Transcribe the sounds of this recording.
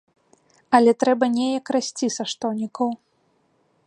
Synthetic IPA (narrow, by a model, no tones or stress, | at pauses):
ɐlʲɛt̪ɾɛbɐnʲɛjɐkrasʲt͡sʲisaʂt̪ɔnʲikɐw